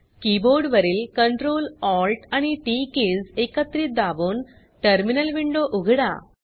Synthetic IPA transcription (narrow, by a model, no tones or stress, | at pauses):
kiːboːɾɖʋɐɾɪlkɐɳʈɾoːlaːlʈɐniʈiːkeːsekːɐt̪ːɾid̪aːʋoːn | ʈɐɾmɪnɐlʋiɳɖoːʔʊɣɪɽa̰ː